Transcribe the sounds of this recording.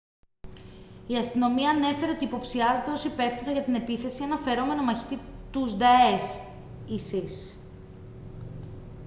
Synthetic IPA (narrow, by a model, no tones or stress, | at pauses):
iɐst̪ino̞miɐːne̞fe̞ɾeo̞t̪iːpo̞psiɐzet̪eo̞siipe̞ft̪iɣɐʝɐt̪ine̞piθe̞sienɐfe̞ɾo̞me̞no̞mɐçi̥t̪it̪uzd̪ɐes | isis